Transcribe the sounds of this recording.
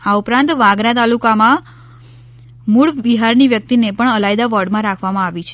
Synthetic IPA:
aupɾãnt̪ʋãɡɾat̪alukamã | muɭʋiɦaɾniʋjək̚t̪inepəɳəlajd̪aʋəɾɖmãɾakʰʋamãaʋit͡ʃʰe

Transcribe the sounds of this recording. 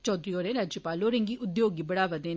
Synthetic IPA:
t͡ʃɔːd̪ɾiːoːɾẽːɾaːd͡ʒjəpaːloːɾẽŋɡiːʔʊd̪joːɡiːbəɽaːʋəd̪ẽː

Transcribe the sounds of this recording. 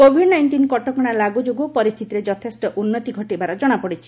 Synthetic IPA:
kobʱiɖnajɳʈinkɔʈɔkɔɽ̃alaɡud͡ʒoɡopɔɾist̪ʰit̪iɾed͡ʒɔt̪ʰesʈɔʔunːɔt̪iɡʱɔʈibaɾɔd͡ʒɔɽ̃apɔɽit͡ʃʰi̥

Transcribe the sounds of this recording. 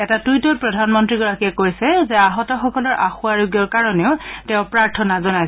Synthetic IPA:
ɛtatujtɔt̚pɹɔdʱanmɔntɹiɡɔɹakiɛkojsɛzɛaɦɔtɔxɔkɔlɔɹʔa̰xʊaɹoɡijɔɹkaɹɔnɛʊtɛʊ̃pɹaɹtʰɔnazɔnajs

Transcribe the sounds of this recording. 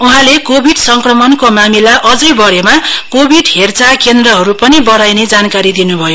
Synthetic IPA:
uɦãlekobʱiɖsʌŋkrʌmʌnkomamilaʔʌd͡zʌjbʌɽemakobʱiɖɦert͡sakend̪rʌɦʌɾupʌnibʌɽajned͡zankaɾid̪inubʱʌjo

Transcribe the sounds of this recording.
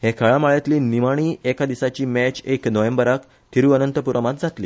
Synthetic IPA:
hekʰəɭamaɭjet̪liːnimaɽ̃iːekad̪isat͡ɕiːmæt͡ɕeknəʋembəɾək | t̪ʰiɾuənənt̪əpuɾəmat̪d͡zat̪liː

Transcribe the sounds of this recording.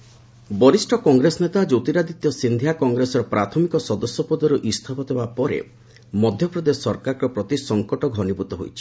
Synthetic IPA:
bɔɾisʈʰɔkɔŋɡɾesɔnet̪ad͡ʒot̪iɾad̪it̪jɔsind̪ʱjakɔŋɡɾesɔɾɔpɾʔat̪ʰɔmikɔsɔd̪ɔsjɔpɔd̪ɔɾuʔist̪ʰapɔd̪ebapɔɾḛ | mɔd̪ʱjɔpɾɔd̪eɔɾkaɾɾɔpɾɔt̪isɔŋkɔʈɔɡʱɔnibut̪ɔɦojt͡ʃʰi

